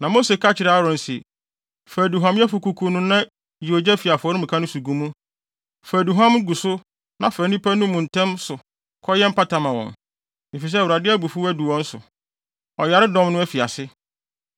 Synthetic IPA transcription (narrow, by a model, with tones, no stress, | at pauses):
nã˨mo˦se˨kʰa˦t͡ɕʰɪ˨ɾa˦a˦ɾɔ̃˨n̩˨sḭ˨ | fæ˨du˨ɦã˨m˦jɛ˦fʊ˨kʰu˨kʰu˦nʊ̃˦nã˦ | i˨o˨d͡ʑɛ˦fi˨a˨fɔ˨˦ɾɪ̃˦m̩˨kʰa˦nʊ̃˦su˨ɡũ˨mũ˦ | fæ˨du˨ɦã˦mɡu˨sʊ˦ | nã˨fæ˨˦nĩ˦pʰæ˦nʊ̃˦mũ˨n̩˨tʰɛ̃˦msʊ˨ | kʰɔ˦jɛ˦m̩˦pa˦tʰã˨mã˨wɔ̰̃˨n | e˨fi˨s̬ɛ˦˨wu˨ɾa˨dɪ˦æ˦bu˨fu˦æ˦du˨wɔ̃˦n̩˦sʊ̰˨ | ɔ˨ja˨ɾɪ˦dɔ̃˦mnʊ̃˦æ˦fi˨a˨sɪ˦